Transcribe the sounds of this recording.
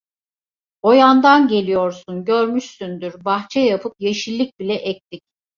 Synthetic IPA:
o̞jand̪anɟe̞lʲijo̞ɾsunɟøɾmyʃsynd̪yɾbaxt͡ʃʰɛjapʰɯp̚je̞ʃilʲːic̚bilʲɛʔɛc̚t̪ʰic̚

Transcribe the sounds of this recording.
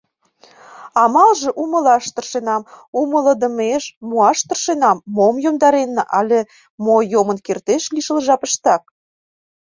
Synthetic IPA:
ɑmɑlʒĕʔumə̆lɑʃt̪ə̆rʃenɑmumələ̆d̪ə̆meʃmuɑʃt̪ə̆rʃenɑmːomjomd̪ɑɾenːəʔɑlʲe | mojomə̆nkert̪eʃliʃəlʒɑpəʃt̪ɑk̚

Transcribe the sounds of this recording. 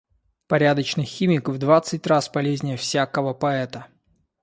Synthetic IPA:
pɐɾʲad̪ət͡ɕnɨjxʲimʲɪkvd̪vat̪sɨtʲrasbɐlʲezʲnʲɪjəfsʲakəvəpɐɛt̪ə

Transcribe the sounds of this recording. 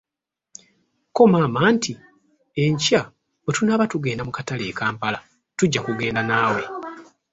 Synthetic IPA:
ko̞maːmaːntʰi | e̞ɲca | otunaːβatuɡe̞ːndamukatale̞ːkaːmpala | tuɟːakuɡe̞ːndanaːwe̞

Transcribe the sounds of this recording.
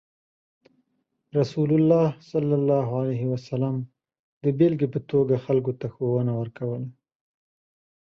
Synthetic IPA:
ɾasulʊlːɑsalːalːɑɦoalajɦɪwasalam | d̪əbelɡepət̪oɡaxalk̬ot̪axowənawəɾkawəla

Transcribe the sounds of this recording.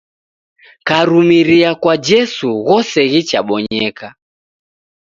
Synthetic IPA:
kaɾumiɾiakwad͡ʒɛsuɣɔsɛɣit͡ʃa̰ɓɔɲɛka

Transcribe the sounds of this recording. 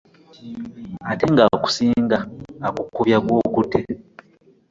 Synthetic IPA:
ate̞ŋɡaku̥siːŋɡaːkukːuβjakwoːkutʰe

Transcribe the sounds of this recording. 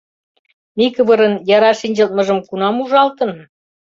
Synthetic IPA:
mikəβɤɾənjɑɾɑʃinʲd͡ʑə̆lt̪̚mɤ̆ʒə̆mkunɑmuʒɑlt̪ə̆n

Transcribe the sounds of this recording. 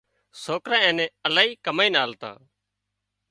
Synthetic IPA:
soːkɾãːɛ̃ːnɛ̃ːəlaːiːkəmaːiːnaːlt̪ã̰ː

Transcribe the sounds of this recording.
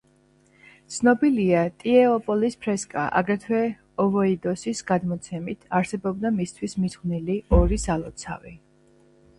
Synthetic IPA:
t̪sʰnɔbiliat̪ʼiɛɔpʼɔlispʰɾɛskʼa̰ʔa̰ɡɾɛt̪ʰwɛ | ɔvɔid̪ɔsisɡad̪mɔt̪sʰɛmit̪ʰaɾsɛbɔbd̪amist̪ʰwismiz̥χvniliɔɾisalˠɔt̪sʰa̰vi

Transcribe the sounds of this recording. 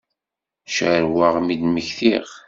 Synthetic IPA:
ʃʕəɾwaʁmid̪məçθiʁ

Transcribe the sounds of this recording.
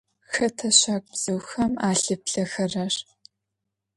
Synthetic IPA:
xɐtʰɐɕaːk̚ʷʼbz̥ɨwxɐmaːɬɨpɬɐxɐrɐr

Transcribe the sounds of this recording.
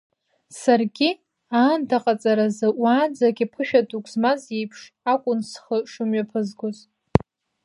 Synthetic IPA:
sarɡʲi | aːndʰaqʼat͡sʼaɾazɨʔʷaːnd͡zaɡʲipʰɨʃᶣadʼukʷʰʼzmazjejpʰʂ | akʷʼʊnsχəʂʊmɥapʰɨzɡoz

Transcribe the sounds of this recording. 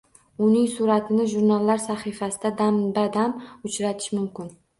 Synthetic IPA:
ʊnɪŋsuɾat̪ʰɪnɪʒuɾnalːaɾsaχifasɪd̪ad̪ambad̪amʊt͡ʃɾat̪ʰɪ̥ʃmʊmkʲɪn

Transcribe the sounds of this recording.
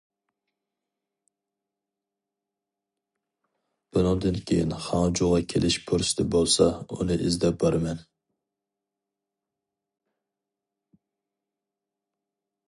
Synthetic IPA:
b̥ʊnɨŋd̪ɨnkʲʰejḭnχɑŋd͡ʒuʁɑkʲʰḛlʔɪʃpʰuɾsɪ̥d̪ɛbolˠsɑṵnɨʔɪzd̪ɛp̚bɑɾmɛn

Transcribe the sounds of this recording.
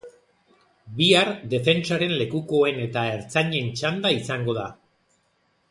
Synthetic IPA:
biaɾd̪e̞fe̞nt͡saɾe̞nle̞kuko̞e̞ne̞t̪ae̞ɾt͡saɲe̞nt͡ʃand̪aisaŋɡo̞ð̞a

